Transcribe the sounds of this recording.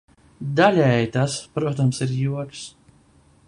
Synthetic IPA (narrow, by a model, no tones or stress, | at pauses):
d̪alʲɛjt̪aspɾuɔt̪amsiɾjuɔks